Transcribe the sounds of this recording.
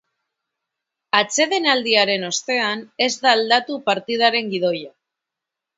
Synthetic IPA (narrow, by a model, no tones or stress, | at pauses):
at͡se̞ðe̞nald̪iaɾe̞no̞st̪e̞ane̞zd̪aːld̪at̪upaɾt̪iðaɾe̞ŋɡið̞o̞ja